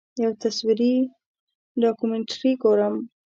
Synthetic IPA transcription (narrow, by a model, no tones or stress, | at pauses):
jawt̪aswiɾi | ɖɑkumeɳʈɾiɡoɾəm